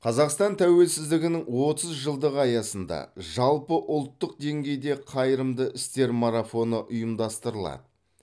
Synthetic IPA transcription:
qʰɑzɑqst̪ɑnt̪ʰæwe̞lsɪzd̪ɪɡʲɪnɪŋwo̞t̪əzʒəlˠd̪əʁəɑjɑsənd̪ɑ̰ʒɑlˠpəʔʊlˠt̪ːəq̚d̪e̞ŋɡʲe̞jd̪e̞qʰɑjɾəmd̪əʔɪst̪e̞ɾmaɾafo̞nəʔʊjəmd̪ɑst̪əɾəlˠɑ̰d̪ə

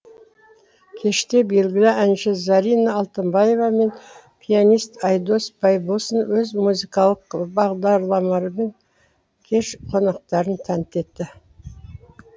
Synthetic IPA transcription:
kʲʰe̞ʃt̪e̞be̞lɡʲɪlɪænʃɪzɑɾijnɑːlˠt̪əmbaje̞vɑme̞n | pʲʰijanʲijst̪ɑjd̪o̞sbɑjbosənwɵzmuzijkɑlˠəqbɑʁd̪ɑɾlˠɑmɑɾəme̞ŋ | kʲʰe̞ʃqʰo̞nɑq̚t̪ɑɾənt̪ʰænt̪e̞t̪ːɪ

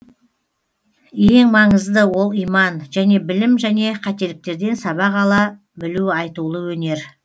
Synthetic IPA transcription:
je̞ŋmɑɴəzd̪əwo̞lˠijmɑnʒ̥æne̞bɪlɪmʒæne̞qʰɑt̪e̞lɪk̚t̪e̞ɾd̪e̞nsɑβɑqɑlˠɑ | bɪluɑjt̪ulˠəwɵne̞ɾ

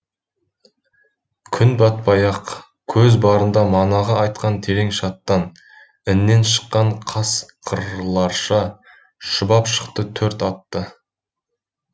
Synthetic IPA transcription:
kʲʰʏnbɑt̪̚pɑjɑq | kʲʰɵzbɑɾənd̪ɑmɑnɑʁɑɑjt̪̚qɑnt̪ʰe̞ɾe̞ŋʃɑt̪ːɑn | ɪnːe̞nʃə̥qːɑɴqʰɑsqʰəɾlˠɑɾʃɑ | ʃəbɑpʃə̥qt̪ət̪ʰɵɾt̪ɑt̪ːə

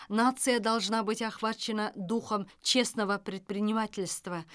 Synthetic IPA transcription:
nat̪sɨjəd̪ɑlˠʐnɑbɨtʲɑχvat͡ʃːɪnəd̪uχəmt͡ʃe̞snəvəpɾʲɪt̪̚pɾʲɪnʲɪmatʲɪlʲst̪və

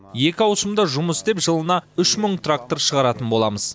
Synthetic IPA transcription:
je̞kʲɪɑwsəmd̪ɑʒʊməsd̪e̞pʒəlˠənɑʏʃməɴt̪rak̚t̪o̞ɾʃəʁɑɾɑt̪ənbo̞lˠɑməz̥

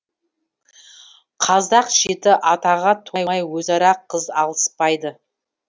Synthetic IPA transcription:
qʰɑzd̪ɑqʒet̪ɪʔɑt̪ɑʁɑt̪ʰojɑjwɵzɑɾɑqʰːəzɑlˠəspɑjd̪ə

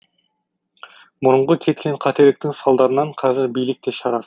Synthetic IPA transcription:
mʊɾʊɴʁəkʲʰe̞t̪kʲe̞ɴqʰɑt̪e̞ɾlɪk̚t̪ɪŋsɑlˠd̪ɑɾənɑɴqʰɑzɪɾbijlɪk̚t̪e̞ʃɑɾɑs

